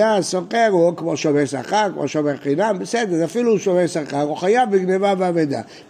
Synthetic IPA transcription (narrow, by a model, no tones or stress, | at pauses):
asoχeʁukmoʃomesaχaʁkmo̰ʃomeʁχinambesed̪eʁafiluːʃomeʁsaχaʁuχajavbiɡnevaveaved̪a̰